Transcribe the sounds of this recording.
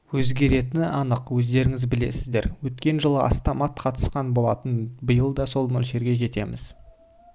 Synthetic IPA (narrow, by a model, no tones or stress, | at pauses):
wɵzɡʲe̞ɾe̞t̪ɪnɑnəqwɵzd̪e̞ɾɪŋɪzbɪle̞̰sɪzd̪e̞ɾwɵt̪kʲe̞nʒəlˠəɑ̰st̪omɑt̪qʰɑt̪ə̥sqɑnbo̞lˠɑt̪ənbəjəlˠd̪ɑso̞lˠmɵlʃe̞ɾɡʲe̞ʒe̞t̪e̞mɪ̰z̥